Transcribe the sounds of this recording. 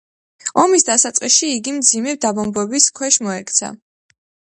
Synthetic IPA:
ɔmisd̪asat̪sʼqʼisʃiːɡimd̪zimɛd̪abɔmbɛbiskʰwɛʃmɔɛkʰt̪sʰa̰

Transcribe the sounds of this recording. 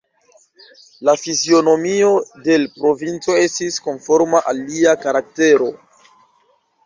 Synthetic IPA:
lafizio̞no̞mio̞de̞lpɾo̞vint͡so̞e̞stisko̞nfo̞ɾmaʔalːiakaɾak̚te̞ɾo̞

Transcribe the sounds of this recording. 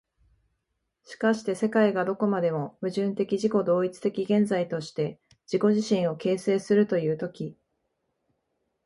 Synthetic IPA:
ɕi̥kaɕi̥t̪e̞se̞kaiɡad̪o̞ko̞mad̪e̞mo̞bɯ̟ʑɨ̃nt̪e̞kʲiʑiko̞d̪o̞ːit͡sɨ̥t̪e̞kʲiɡẽ̞nd͡zait̪o̞ɕi̥t̪e̞ | d͡ʑ̥iko̞ʑiɕĩɰ̃o̞ke̞ːse̞ːsɨɾɯ̟t̪o̞jɯ̟ːt̪o̞kʲi

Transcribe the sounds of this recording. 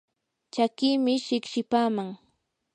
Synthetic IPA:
t͡ʃakɪːmɪʃɪkʃɪpaːmaŋ

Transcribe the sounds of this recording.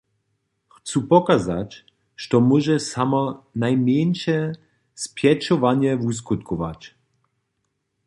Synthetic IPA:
xt͡supɔkazat͡ɕʲ | ʃt̪ɔmɔʒɛsamɔnajmjɛnʃɛ | spjɛt͡ʃɔvaɲjɛvus̬kut̪kɔʋa̰t͡ɕ

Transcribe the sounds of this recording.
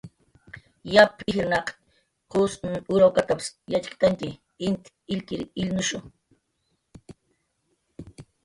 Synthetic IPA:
japʰɪxɾnɑq | qosʊɾawkat̪apḁsjat͡ʃkɪ̥t̪aŋkɪ | ɪnt̪ | ɪʎkɪɾɪlnʊʃʊ

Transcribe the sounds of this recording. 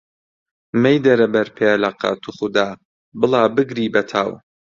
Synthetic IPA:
mɛjd̪ɐɾɐbɐɾpʰeːlɐqɑ̰t̪ʰuχʊd̪aː | bɨlˠaːbɨɡɾiːbɐt̪ʰaːw

